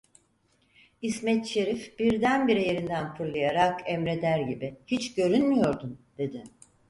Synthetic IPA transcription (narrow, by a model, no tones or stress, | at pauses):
ismɛt̪ʃe̞ɾifb̥iɾd̪ænbiɾije̞ɾind̪ænfɯɾlˠajaɾakɛmɾe̞d̪æɾɟibihit͡ʃɟø̞ɾynmijo̞ɾd̪umd̪̥e̞d̪ɪ